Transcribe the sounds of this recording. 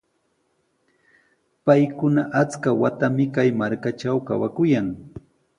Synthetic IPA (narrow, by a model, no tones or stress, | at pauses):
pajkʊnaʔat͡skawat̪amɪkajmaɾkat͡ʃawkawakʊjaŋ